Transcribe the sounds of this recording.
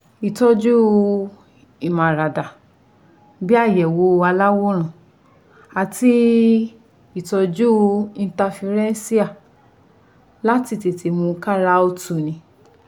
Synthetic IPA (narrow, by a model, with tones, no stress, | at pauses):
i˨tɔ˧d͡ʒu˦˧ | i˨mã˨ɾa˨da˨ | bi˦a˦˨jɛ˨wo˨˦˧a˧la˦wo˦ɾ̃ã˨ | a˨ti˧˦ | i˦˨tɔ˧d͡ʒu˦˧ĩ˧˦ta˧fi˧ɾɛ̃˦si˦a˦˨ | la˦ti˧ti˨ti˨˦mũ˧ka˦ɾa˦o˧tu˨nĩ˨˧˦